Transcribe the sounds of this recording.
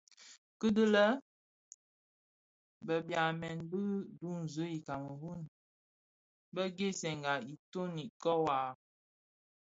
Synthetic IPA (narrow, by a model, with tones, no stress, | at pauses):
kə˦də˦lə˦ | bə˨bja˨mɛ˨nbə˦du˦n̩˨zə˦i˨ka˨mə˨ɦu˦n | bə˦ɡe˦sɛ˨ŋɡa˨i˨to˦ni˨kɔ˦wa˨